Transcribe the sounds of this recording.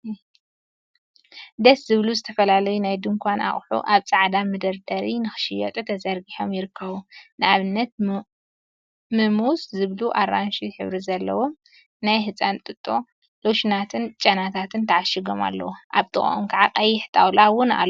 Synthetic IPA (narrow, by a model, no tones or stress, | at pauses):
d̪ɐszɨβluzɨt̪ʰɐfɐlalɐjunajd̪ɨŋkʰʷana̰χʼħṵʔaβt͡sʼaʕd̪amɨd̪ɐɾd̪ɐɾinɨxɨ̥ʃɪjɐ̰t̪ʼut̪ʰɐzɐɾɡiħo̞mjɪɾɨkʰːɐβunɨaβɨnːɐt̪̚ | mɨmuszɨβluʔaɾanʃiħɨβɾizɐlːɐ̰wo | najɦɨt͡sʼant̪ʼɨt̪ʼːo̞ | loʃnat̪ʰɨnt͡ʃʼɐnat̪ʰat̪ʰɨnt̪ʰɐʕaʃiɡo̞̰ma̰lːɐ̰wuʔaβt̪ʰʼɨxʼo̰omkʰaʕaqʼɐjːɪħt̪ʰʼawlawʊna̰l